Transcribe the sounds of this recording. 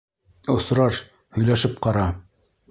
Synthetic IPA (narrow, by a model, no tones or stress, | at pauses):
ŏsɾɑʃ | hɵ̆jlæʃɘp̚qɑɾɑ